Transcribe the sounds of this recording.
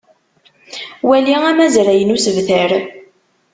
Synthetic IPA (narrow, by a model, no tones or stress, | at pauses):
wæliæmæzɾæjənusəvθəɾ